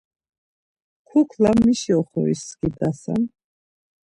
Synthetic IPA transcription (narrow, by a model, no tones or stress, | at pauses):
kʰukʰlamːiʃiɔχɔḭsːkid̪asa̰m